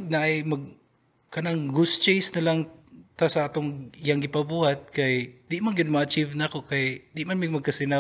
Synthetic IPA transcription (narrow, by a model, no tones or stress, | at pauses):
ɡ̚naʔajmɐɡ̚ | kɐnaŋɡʊst͡ʃejsnɐlaŋt̪asɐʔat̪oŋɪjaŋɡɪpabuhat̪̚kajd̪ɪʔmanɡɪd̪mɐat͡ʃivnaakokajd̪ɪʔmanmɪmɐɡ̚kɐsɪna